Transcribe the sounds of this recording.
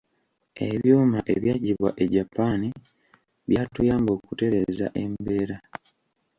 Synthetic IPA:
e̞̰βjuːmaʔeβjaːɟiβwa̰ʔe̞ɟapːaːni | βjaːtujaːmbo̞ːkute̞ɾe̞za̰ʔe̞mbe̞ːɾa

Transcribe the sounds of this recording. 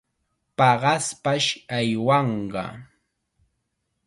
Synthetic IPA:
pɑɢɑspaʃajwɑɴɢɑ̰

